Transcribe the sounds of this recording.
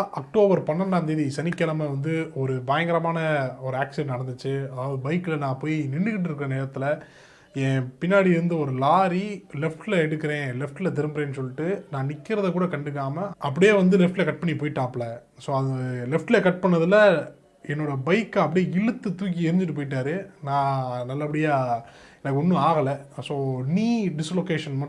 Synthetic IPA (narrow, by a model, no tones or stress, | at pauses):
ʔɐk̚ʈoːbɐɾpɐnːɐnnaːnd̪eːðisɐnɪkːɐlɐmɐʋɐnd̪ɯɔɾɯbaːjɐŋɡɐɾɐmaːnɐɔɾɯaːksɪɛ̃nnɐɽɐnd̪ɯt͡ʃːɯɐðaːʋɐðɯbɐɪkːɯlɐnãːpoːjinɪɳːɯkɪʈ̬ːɪɾɯkːɯɾɐneːɾɐt̪ːɪlɐ | ẽːpɪnːaːɽiɪɾɯnd̪ɐɔɾɯlaːɾilɛfʈlɐɛɽɯkːɯɾẽːlɛfʈɪlɐt̪̬ɪɾɯmbɾẽːnːɯsɔlːɪʈːɯnãːnɪkːɪɾɐðɐkuːɽɐkɐɳɖɯk̬ːaːmɐɐpːɐɽɪjeːʋɐnd̪ɯlɛfʈɪlɐkɐʈ̚pɐɳːipoːjʈːaːplɐ | soːɐðɯlɛfʈɪlɐkɐʈ̚pɐɳːɐðɯlɐ | ɛnːoːɽɐbɐɪkːɐpːɐɽɪjeɪɻɯt̪ːɯt̪uːk̬ːiɪɾɯnɲd͡ʒɪʈ̬ːɯpoːjɪʈ̬ːaːɾɯnãːnɐlːɐpːɐɽɪjaː | ɛnɐkːɯɔnːɯ̃aːɣɐlɐsoːniːɖɪsloːkeːʂɐnmɐ